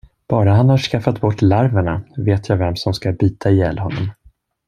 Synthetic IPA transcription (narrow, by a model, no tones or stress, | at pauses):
b̥ɑːɾaɦanhaʂkafat̪bɔʈːlaɾvaɳaveːt̪ʰjaːvɛmsɔmskabyːt̪ʰaɪjɛlːhɔnːɔ̰m